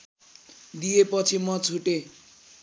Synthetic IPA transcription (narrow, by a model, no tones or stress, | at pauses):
d̪ijepʌt͡sʰimʌt͡sʰuʈe